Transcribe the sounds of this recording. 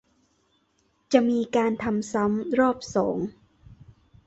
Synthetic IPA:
t͡ɕa˨˩miː˧kaː˧nt̪ʰa˧msa˦˥mɾɔː˥˩p̚sɔ̰ː˩˦ŋ

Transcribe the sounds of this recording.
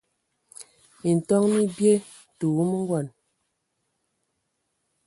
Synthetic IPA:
i˨n̩˨tɔ˦ŋni˦bje˦˨ | tu˨˦mə˦ŋ̩˦ɡwɔ˨n

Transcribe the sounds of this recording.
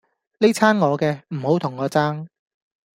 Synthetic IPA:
le˥t͡sʰaː˥nŋɔː˨˧kɛː˧m̩˨˩ho˨˥wt̪ʰʊ˨˩ŋːɔː˨˧t͡saː˥ŋ

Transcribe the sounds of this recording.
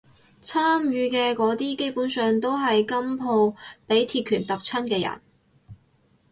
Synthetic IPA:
t͡sʰaː˥mjyː˧kɛː˧kɔː˨˥t̪iː˥ke˥jpuː˨˥nsœː˨˧ŋt̪o˥wɦɐ˨jkɐ˥mpʰo˧wpe˨˥jt̪ʰiː˧t̚kʰyː˨˩nt̪ɐ˨p̚t͡sʰɐ˥nkɛː˧jɐ̰˨˩n

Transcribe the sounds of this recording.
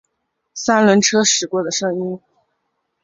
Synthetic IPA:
sa˥nlwə˧˥nʈ͡ʂʰɤ˥ʂɻ̩˨˩kwɔ˥˩d̪ə˨ʂɤ˥ŋi˥n

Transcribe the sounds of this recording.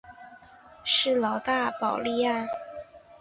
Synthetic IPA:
ʂɻ̩˥˩lɑ˧˥ʊt̪a˥˩pɑ˨˩ʊli˥˧ja˥˩

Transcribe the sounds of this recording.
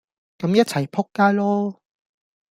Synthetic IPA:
kɐ˨˥mjɐ˥t̚t͡sʰɐ˨˩jpʰʊ˥kːaː˥jlɔː˥

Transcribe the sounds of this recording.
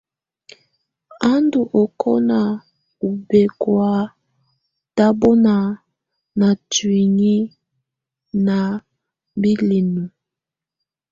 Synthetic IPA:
a˦ndu˨ʔɔ˨kʰɔ˦na˨ | u˨be˨kwa˦ | ta˦bɔ˦na˨ | na˨twi˨ŋi˦ | na˨ | bi˦li˨nu˨

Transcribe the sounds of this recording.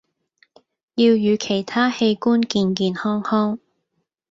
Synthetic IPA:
jiː˧wjyː˨˧kʰe˨˩jt̪ʰaː˥he˧jkuː˥nkiː˧nkiː˧nhɔː˥ŋhɔː˥ŋ

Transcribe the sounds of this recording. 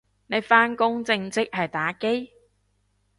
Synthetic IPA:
ne˨˧jfaː˥nkʊ˥ŋt͡sɪ˧ŋt͡sɪ˥k̚hɐ˨jt̪aː˨˥ke˥j

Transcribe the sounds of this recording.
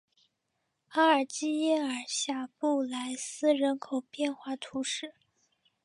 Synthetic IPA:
a˥ə˞˨˩t͡ɕi˥ɛ˥nə˞˨˩ɕja˥˩pu˥˩la˧˥ɪsɹ̩˥ɻə˧˥nkʰo˨˩ʊpjɛ˥˧nxwa˥˩t̪ʰu˧˥ʂɻ̩˥˩

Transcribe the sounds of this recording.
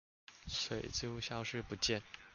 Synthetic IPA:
swe˨˩ɪt͡ɕjo˥˧ʊɕjɑ˥˧ʊʂɻ̩˥˧pu˧˥t͡ɕjɛ˥˩˨n

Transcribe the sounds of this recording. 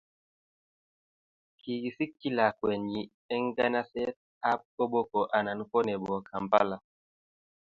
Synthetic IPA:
ki˨ɡi˨si˦kːi˦la˨kwɛ˨ɲi˨ | ɛ˦ŋ˦ɡa˦na˦sɛ˦t̚ | a˦p̚ko˦ɓo˦kɔ˨ʔa˨na˨n˦kɔ˦nɛ˨bɔ˨kʰa˨mpa̰˦la˨

